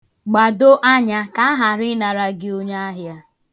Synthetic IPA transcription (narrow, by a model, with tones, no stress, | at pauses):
ɡ͡ba˨do˦ʔa˦ɲa˦ka˦a˦ɦa˨ɾɪ˦na˨ɾa˦ɡɪ˦o˦ɲa˦a˦ɦja˦